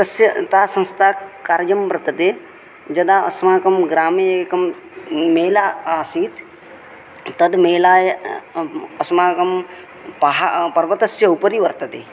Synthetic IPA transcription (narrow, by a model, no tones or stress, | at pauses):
ɐsjɐt̪aːsɐ̃nst̪ʰaːkaɾd͡ʒɐmbɐɾɐt̪ɐt̪eː | d͡ʒɐd̪aɐsmaːkɐmɡɾaːmiekɐm | meːlaːaːsiːt̪ | t̪ːɐd̪meːlaːj | ɐsmaːkɐm | pɐɦapɐɾʋɐt̪ɐsjɐupəɾiʋɐɾt̪ɐt̪e